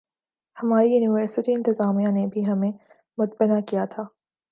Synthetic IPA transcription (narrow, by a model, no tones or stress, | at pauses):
hɐmaːɾijuːnɪʋəɾsɪʈiɪ̃nt̪ɪzaːmijãnebʱiɦɐmẽ | mʊt̪̚bɪnakijat̪ʰaː